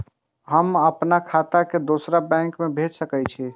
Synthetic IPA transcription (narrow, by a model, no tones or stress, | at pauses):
ɦəməpnakʰat̪aked̪osɾabɛ̃ŋkmebʱed͡ʒsəkət͡ʃʰi